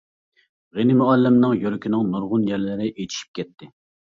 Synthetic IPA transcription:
ʁenɪmuɛlːɪmnɨŋjøɾɪkʲʰinɨŋnuɾʁʊnjɛɾlɪɾɪʔet̪ʰi̥ʃi̥p̚kʲɛt̪ʰːɪ

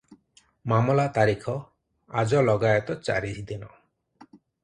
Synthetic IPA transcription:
mamɔlat̪aɾikʰɔ | ad͡ʒɔlɔɡajɔt̪ɔt͡ʃa̰ɾit͡ʃʰid̪inɔ

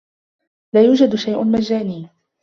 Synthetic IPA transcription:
laːjuːd͡ʒad̪ʃajʔʊnmad͡ʒaːniː

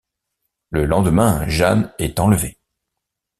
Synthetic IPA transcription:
ləlɑ̃d̪əmɛ̃ʒanɛt̪ɑ̃ləve

